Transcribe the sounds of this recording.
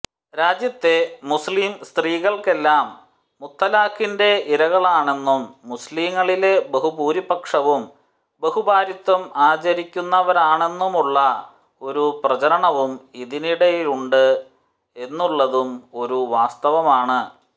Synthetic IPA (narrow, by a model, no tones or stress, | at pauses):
ɾaːd͡ʑjɐt̪ːe̞musliːmst̪riːɣɐɭke̞lːaːmː | ut̪ːɐlaːkːinde̞iɾɐɣɐɭaːɳe̞nːumːusliːŋŋːɐɭile̞beɦubuːɾipɐkʂɐʋum | beɦubaːɾit̪ʋɐmaːt͡ɕɐɾikʲːunːɐʋɐɾaːɳe̞nːumuɭːɐ | o̞ɾuprɐt͡ɕɐɾɐɳɐʋumiðiniɽɐjiluɳɖɨ | e̞nːuɭːɐðumo̞ɾuʋaːst̪ɐʋɐmaːɳɨ